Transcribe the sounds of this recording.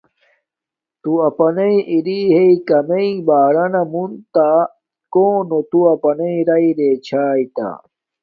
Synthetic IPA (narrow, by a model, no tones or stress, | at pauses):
t̪uɐpɐnɐĩʔiɾiɦeikɐmeĩbaːɾɐnɐmunt̪a | koːnot̪uɐpɐnɐĩɾɐiɾeːt͡ɕʰaːit̪a̰